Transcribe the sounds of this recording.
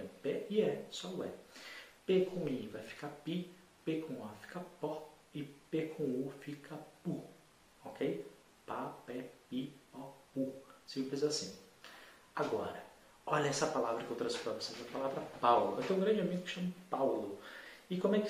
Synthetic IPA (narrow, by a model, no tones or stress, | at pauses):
peɪɛsɔʊɛ̰pekʰõw̃ĩvajfi̥kapi | pekõw̃afi̥kapɔ | ɪpekʰõw̃ʊfikʰɐpu | ɔkʰej | papɛpipɔpusĩmplɪzasĩ | aɡɔɾɐ | ɔʎɐɛsɐpalavɾɐkɪewt̪ɾɐ̃sfit̪oɐpesezɐpalavɾɐpawlʊɛt̪ẽũɡɾɐ̃d͡ʒɪamiɡʊkɪ̥ʃɐ̃mɐpawlʊɪkõmʊɛk